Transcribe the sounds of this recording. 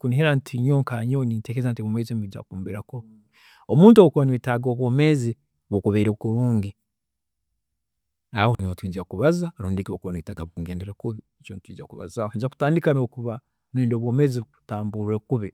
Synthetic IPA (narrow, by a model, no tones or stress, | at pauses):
kuniɦeɾantʰiɲoŋkaɲonintekezantiβomezimid͡ʒa̰kuːmbiɾako | omuːntuowokuβanwiːtaɡoːβwoːme̞zi | βokuβeɾekuɾuːŋɡi | ahoniotwiːd͡ʒakuβazaaɾuːndekiβokuβanwiːtaɡaβukuɡeːndeɾekuβ | t͡ʃonitwiːd͡ʒakuβa̰zahed͡ʒaku̥taːndikanekuβa | neːndoːβwoːmeːziuku̥taːmbuɾekuβe